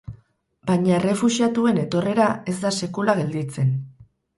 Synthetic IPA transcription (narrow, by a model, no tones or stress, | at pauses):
bajɲaere̞fusiat̪ue̞ne̞t̪o̞re̞ɾae̞zd̪ase̞kulaɣ̞e̞ld̪it͡se̞n